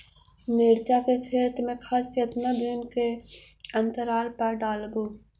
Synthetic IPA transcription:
mɪːɾt͡ʃakekʰeːt̪mẽkʰat͡ʃket̪nad̪ɪnkeɐ̃nt̪əɾaːlpɐɾɖaːlɡoː

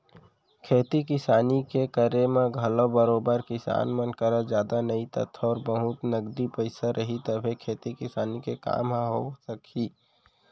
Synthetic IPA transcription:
kʰeːt̪ikɪsaːnikekəɾemẽɡʱəlobəɾoːbəɾkɪsa̰ːnmənkəɾad͡ʒjaːd̪anəit̪ə̰t̪ʰɔːɾbəɦʊt̪nəɡd̪ipəɪsaɾʔəɦit̪əbʱekʰeːt̪ikɪsaːnikeka̰ːmɦaɦosəkʰiː

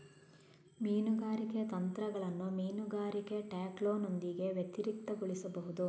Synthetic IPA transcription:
miːnuɡaːɾiket̪ɐnt̪ɾɐɡɐɭɐnːumiːnuɡaːɾikeʈaːkloːnond̪iɡe̞ʋjet̪iɾik̚t̪ɐɡoɭisɐbɐɦud̪u

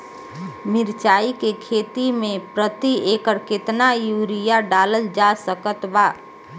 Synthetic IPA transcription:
mɪɾt͡ʃaːikekʰeːt̪imẽpɾət̪ieːkəɾkɪt̪najuːɾijaɖaːləld͡ʒasəkət̪baː

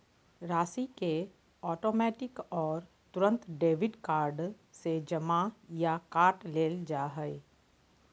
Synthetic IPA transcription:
ɾaːsike | ɔːʈoːmɛːʈɪkɔːɾ | t̪ʊɾə̃nt̪ɖeːʋɪɖkaːɾɖ | sed͡ʒɐmajakaːʈleːld͡ʒaːɦɛe

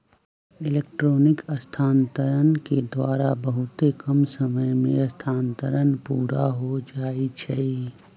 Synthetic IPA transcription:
ɪleːk̚ʈɾoːnɪkəst̪ʰaːnt̪əɾənked̪waːɾabəɦʊt̪ekəmsəməjmẽɐst̪ʰaːnt̪əɾənpuːɾaɦod͡ʒaːit͡ʃʰɛ

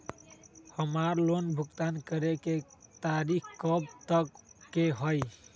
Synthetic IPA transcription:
həmaɾlonbʱukt̪ankəɾeket̪aɾikkəbt̪əkːeɦəj

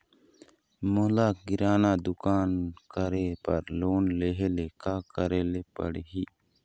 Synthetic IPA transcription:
moːlaːkɡɪɾaːnaːd̪ʊkaːnkəɾeːpəɾloːnleɦeːleːkaːkəɾeːleːpə̰ɽeɦiː

